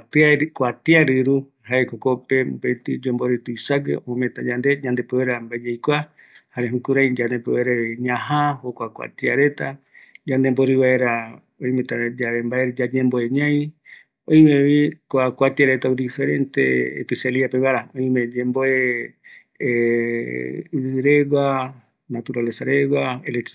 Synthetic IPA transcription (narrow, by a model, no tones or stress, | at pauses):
t̪akʷat̪iaɾɨɾu | haekokope̞bet̪id͡ʒomboɾɨt̪uisaɡḛʔõmẽt̪ad͡ʒand̪e̞ɲãnd̪epeβeɾambaed͡ʒejkʷa | haɾeɦũkuɾajd͡ʒand̪epeeɾaɲãɦahokʷakʷa̰t̪iaɾet̪a | d͡ʒand̪emboɾɨβaeɾa | ojmẽt̪ad͡ʒaembaeɾd͡ʒad͡ʒẽmboeɲãj̃ | oj̃meβikoakʷat̪iaɾe̞t̪aud̪ifeɾent̪ḛḛpiseliapeβaɾaoĩmẽd͡ʒẽmboe | ɨɾeɡa | nat̪uɾalesaɾeɡwaele